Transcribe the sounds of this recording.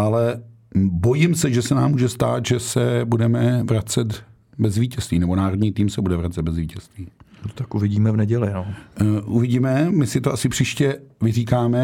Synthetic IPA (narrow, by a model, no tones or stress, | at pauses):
ʔalɛ | bo̞jɪmsɛʒɛsɛnaːmːuːʒɛst̪aːt̪ʒɛsɛbudɛmɛvɾat͡sɛt̪ | bɛzviːcɛst̪viːnɛbonaːɾodɲiːt̪iːmsɛbudɛvɾat͡sɛd̪̚bɛzviːcɛst̪viːnot̪akʔuvɪɟiːmɛvnɛɟɛlɪnoːʔuvɪɟiːmɛmɪsɪt̪oasɪpr̝̥iːʃcɛvɪriːkaːmɛ